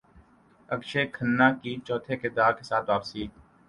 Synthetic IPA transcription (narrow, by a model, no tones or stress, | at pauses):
əkʃeːkʰənːaːkit͡ʃɔːt̪ʰeked̪aːɾkesaːt̪ʋaːpsiːk̚